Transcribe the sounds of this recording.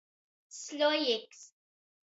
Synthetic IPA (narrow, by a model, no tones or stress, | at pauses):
slojɪks